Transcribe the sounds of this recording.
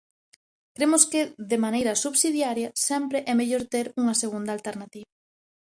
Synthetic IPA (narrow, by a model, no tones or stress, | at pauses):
kɾemʊskɪðemanejɾɐsuβsiðjaɾjɐsɛmpɾeʔɛmeʎoɾt̪eɾuŋɐseɣ̞und̪ɐalt̪eɾnat̪iβɐ